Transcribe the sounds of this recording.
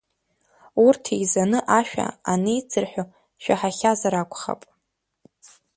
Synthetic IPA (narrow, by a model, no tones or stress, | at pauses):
urtʰijzanɨʔaʃᶣa̰anejt͡sʰɨrħʷᶣo | ʃᶣaħaχʲazaɾakʷʰʼχa̰pʼ